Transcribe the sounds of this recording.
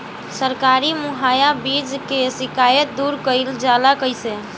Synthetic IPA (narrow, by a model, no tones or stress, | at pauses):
səɾkaɾimuɦajabid͡ʒkesikajət̪̚d̪uɾkəɪld͡ʒalakəjse